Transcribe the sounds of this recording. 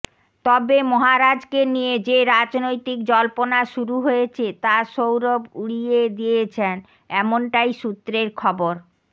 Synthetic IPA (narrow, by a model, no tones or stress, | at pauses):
t̪ɔbemɔɦaɾad͡ʑkenijed͡ʑeɾad͡ʑnojt̪ikd͡ʑɔlponaʃuɾuɦoet͡ɕʰet̪aʃowɾobuɽied̪iet͡ɕʰen | ɛmonʈajʃut̪ːɾeɾkʰɔboɾ